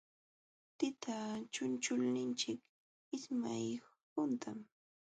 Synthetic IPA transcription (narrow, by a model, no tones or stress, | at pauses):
t̪ɪt̪ʰat͡ʃʊnt͡ʃʊlnɪnt͡ʃɪk | ɪsmaj | pʊnt̪ʰam